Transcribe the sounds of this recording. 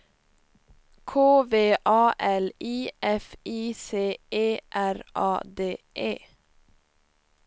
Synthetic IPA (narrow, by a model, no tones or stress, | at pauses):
kʰoːʋeːʔɑːʔɛliːʔɛfiːseːʔeːʔæɾʔɑ̰ːd̪eːʔeː